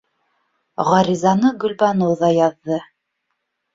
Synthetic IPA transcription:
ʁɑɾʲizɑnɤɡɵ̆lbɑnowðɑjɑðːɤ

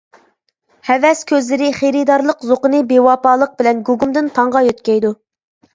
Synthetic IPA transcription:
hɛvɛskʲʰøzlɪɾɪχeɾɪd̪ɑɾlˠəqzoqənɨbewɑpɑːlˠəq̚bɪlɛnɡuɡumd̪ɪnt̪ʰɑɴʁɑjøt̪̚kʲɛjd̪u

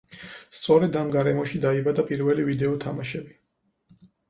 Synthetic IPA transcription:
st̪sʼɔɾɛd̪amɡaɾɛmɔʃid̪aibad̪apʼiɾvɛlivid̪ɛɔt̪ʰamaʃɛbi

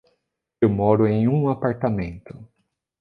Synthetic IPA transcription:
ewmɔɾʊẽj̃ũapaɾt̪amẽnt̪ʊ

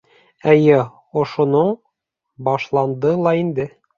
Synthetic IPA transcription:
æjæ | ŏʃŭnɤɴ | bɒʃlˠɑnd̪ɤlˠɑind̪ɘ

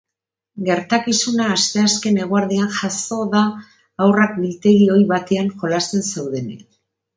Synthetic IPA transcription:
ɡe̞ɾt̪akisunaːst̪e̞aske̞ne̞ɣuaɾðianʝaso̞ðaː | wrakbilt̪e̞ɣio̞jβat̪e̞aŋxo̞last̪e̞nsewðe̞nḛk

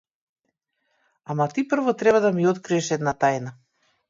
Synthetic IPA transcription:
amat̪ipr̩vɔt̪ɾɛβad̪amiɔt̪kɾiɛʃɛd̪nat̪ajna

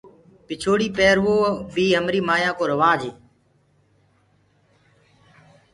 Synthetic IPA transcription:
pɪt͡ʃʰoːɽiːpeːɾʋoːbiːɦəmɾiːmaːjãːkoːɾəʋaːd͡ʒeː

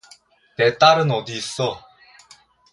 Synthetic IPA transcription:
tet̪͈aɾɯnod̪iːs͈ʌ

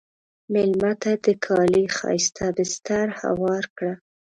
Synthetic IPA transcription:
mɪlmat̪ad̪əkʰɑlixɑ̰jst̪ʰabəst̪aɾha̰wɑɾkɽa

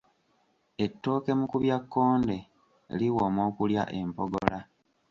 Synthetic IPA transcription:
e̞tːo̞ːke̞mukuβjakːo̞ːnde̞ | liwoːmo̞ːkulja̰ʔe̞mpoɡo̰la

